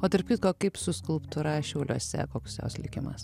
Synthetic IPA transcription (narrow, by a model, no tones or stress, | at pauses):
oːt̪ɐɾpkʲɪt̪koːkɐɪpsʊskʊlˠpt̪ʊɾɑʃʲɛʊːlʲuɔsʲɛ̰koːksjo̰ːslʲɪkʲɪmɐ̰s